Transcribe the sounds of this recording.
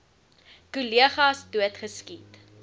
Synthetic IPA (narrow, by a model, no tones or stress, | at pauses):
kuliəχɑsduətχəskit